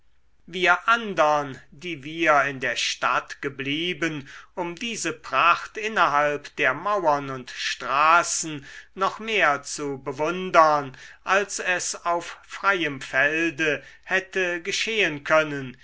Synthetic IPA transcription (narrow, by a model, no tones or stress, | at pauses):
viːɐʔandɐndiːviːɐɪndeːɐʃtatɡ̥əbliːbənʊmdiːzəpʁ̥aχtɪnɐɦalpd̥eːɐmawɐnʊntʃtʁaːsn̩ːɔχmeːɐt͡subəvʊndɐnʔalsɛsaʊffʁ̥aɪəmfɛldəhɛtəɡəʃeːənkʰœnən